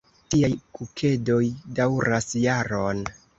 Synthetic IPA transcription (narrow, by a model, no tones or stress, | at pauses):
tiajkukʰe̞do̞jdawɾasjaɾon